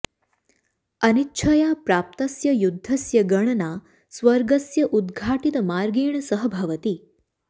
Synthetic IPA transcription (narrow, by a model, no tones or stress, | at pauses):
ɐnitːʃʰɐjaːpɾaːp̚t̪ɐsjɐjud̪ʱːɐsjɐɡɐɳɐnaː | sʋɐɾɡɐsjɐʔud̪ɡʱaːʈit̪əmaːɾɡiːɳɐsəɦəbʱɐʋət̪i